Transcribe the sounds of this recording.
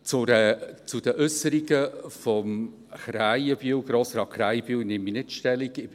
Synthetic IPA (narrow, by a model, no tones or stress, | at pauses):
t͡sʊɾɛt͡sʊd̥əʔʏsəɾiɡəfɔm | χɾajəb̥iwɡɾoːsɾɑːtχɾajb̥iːwnɪmːinɪtʃtɛliɡɪ